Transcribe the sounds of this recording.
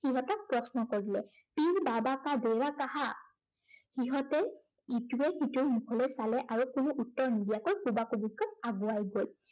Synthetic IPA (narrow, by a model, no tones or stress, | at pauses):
xiɦɔtɔk̚pɹɔsnɔkoɹilɛpiɹbabakadeɹakaɦa | xiɦɔtɛ | ituɛxituɹnupʰɔlɛsalɛʔaɹukunuʔutːɔɹnidijakojkubakubiɡʰɔtaɡuajɡol